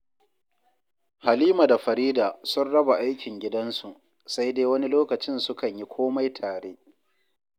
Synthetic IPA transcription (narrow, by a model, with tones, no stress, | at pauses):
ha˨liː˦ma˨da˨ɸɐ˨ɾiː˦daː˨sʊ˦nɽɐ˦ba˨ʔa˦jkʲʰɪ˨ŋɡʲɪ˦dɐ˦nsu˨ʔ | sa˦jdeː˦wɐ˦ni˦loː˦kɐ˨t͡ʃɪ˦nsʊ˦kɐ˨ɲji˦kʷʰoː˦ma˦jtʰaː˨ɽeː˦